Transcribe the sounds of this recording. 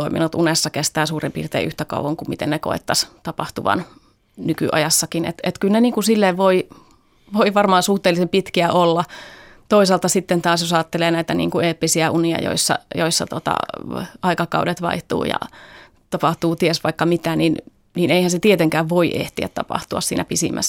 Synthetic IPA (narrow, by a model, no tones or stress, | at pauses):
oimḭnut̪unesːɑkest̪æːsuːrimpḭːrt̪ḛːʔyht̪ækɑ̰uwʋɑŋkumit̪ḛnneko̰ḛt̪ːɑst̪ɑpɑht̪uʋɑ̰n | nyky̰ʔɑ̰jɑsːɑkinḛt̪et̪kylneniːŋkusilːeʋʋoi | ʋoiʋɑrmɑːnsuht̪eːlːˑisempit̪kiæʔolːɑ | t̪oisɑlt̪ɑsit̪ːent̪ɑːsjosɑːt̪ːeleːnæit̪ænḭːŋkueːpːisiæʔuniɑ̰jo̰isːɑ̰joisːɑ̰t̪ot̪ɑ̰ɑikɑkɑuwdet̪ʋɑ̰iht̪ṵːjɑ̰ | t̪ɑpɑht̪uːt̪iesʋɑikːɑmit̪ænin | niːneihænset̪iet̪eŋkæːʋʋoiʔḛht̪iæ̰t̪t̪ɑ̰pɑ̰ht̪uɑ̰ssḭːnæpisḭmʔæ̰s